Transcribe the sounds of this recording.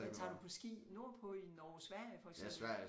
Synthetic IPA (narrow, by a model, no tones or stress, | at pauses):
t͡sʰɑ̰̈ːdupʰɒ̽sɡ̥ḭːno̝ɐ̰pʰɒ̽inɒːsʋæɐ̰jəfɒ̽lɡsʋæɐ̰